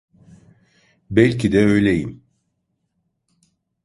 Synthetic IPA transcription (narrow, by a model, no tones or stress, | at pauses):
bɛlʲcʰid̪ɛø̞jlʲejim